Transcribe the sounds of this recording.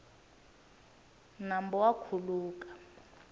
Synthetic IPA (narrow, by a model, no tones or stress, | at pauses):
nambɔwakʰuluːkḁ